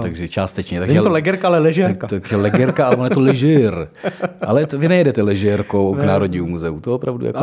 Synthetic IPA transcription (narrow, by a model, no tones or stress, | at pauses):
t̪aɡʒɛt͡ʃaːst̪ɛt͡ʃɲɛt̪akɛt̪olɛɡɛɾkaalɛlɛʒɛkat̪akɛlɛɡɛɾkaalɛvonjɛt̪olɛʒɛralɛt̪ovɪnɛjɛdɛt̪ɛlɛʒɛɾkowknaːɾodɲiːumuzɛut̪oopɾa̰vdṵja̰k